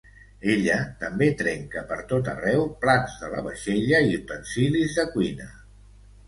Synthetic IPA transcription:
eʎət̪əmbet̪ɾɛŋkəpəɾt̪ot̪ə̰rɛwplanzðələβəʃeʎəit̪ənsilizðəkwinə

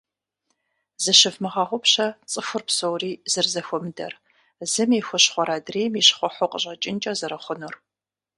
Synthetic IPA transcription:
zɨʃɪfmɨʁɑʁʷʊpɕɐt͡sʼɨfʷʊrpsowriːzɨrzɐxʷɔmɨdɐ̰r | zɨmiːxʷɔɕχʷɔɾaːdreːmiɕχʷɔħʷɔqʼəʑʼɐt͡ʃʼɪnt͡ʃʼɐzɐɾɐχʷʊnur

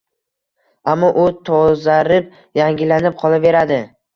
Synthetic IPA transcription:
amːɒʔʊt̪ʰɒzaɾɪp̚ | jaŋɡʲɪlanɪp̚qʰɒlˠave̞ɾad̪ɪ

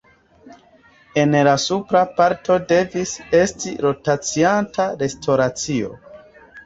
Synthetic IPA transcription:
e̞nlasupɾapaɾtʰo̞de̞vise̞stiɾo̞tat͡siantaɾe̞stʰoɾat͡sio̞̰

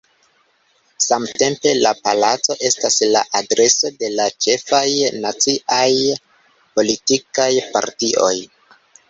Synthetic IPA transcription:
samte̞mpe̞lapalat͡so̞ʔe̞staslaʔadɾe̞so̞de̞lat͡ʃe̞fajnat͡siʔaj | po̞litikajpa̰ɾtiʔo̞̰j

